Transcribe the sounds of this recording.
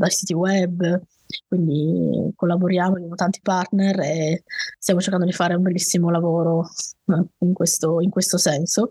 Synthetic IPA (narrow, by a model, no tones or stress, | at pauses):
d̪ajsiːt̪iwɛbː | kwind̪ikolːaboɾjaːmoabjamot̪ant̪i̥part̪nerest̪jaːmot͡ʃeɾkand̪od̪ifaːɾeumbelːisːimolavoːɾo | iŋkwest̪oiŋkwest̪osɛnso